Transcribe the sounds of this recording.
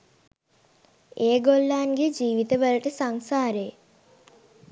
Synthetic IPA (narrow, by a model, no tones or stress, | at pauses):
eːɡolːaːnɡed͡ʒiːʋit̪əbələʈəsaŋsaːɾe